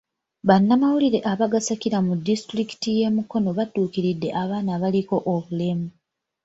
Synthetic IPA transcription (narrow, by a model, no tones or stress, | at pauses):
βanːamawuliɾe̞ʔaβaɡasakiɾamudːistɾiki̥tije̞muko̞no̞βatːuːkiɾidːe̞̰ʔaβaːnaβaliko̞ʔoβule̞mu